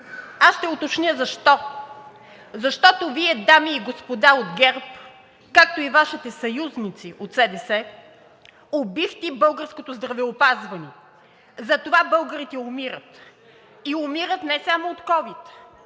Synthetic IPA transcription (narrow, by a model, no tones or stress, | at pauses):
asʃt̪ɛot̪ot͡ʃnʲəzɐʃt̪ɔ | zɐʃt̪ɔt̪oviɛd̪amiːɡospod̪aod̪ɡɛɾp | kak̚t̪oivaʃit̪ɛsɐjuznit̪siʔot̪sɛd̪ɛsɛ | obift̪ʲibɤlˠɡəɾskot̪ozd̪ɾɐvɛopazvɐnɛ | zɐt̪ovabɤlˠɡəɾit̪ɛomiɾət̪ | iomiɾət̪nɛsamoːt̪kɔvit̪